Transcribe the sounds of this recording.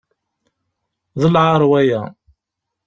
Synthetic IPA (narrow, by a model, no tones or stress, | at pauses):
ðəlʕaɾˤwæjæ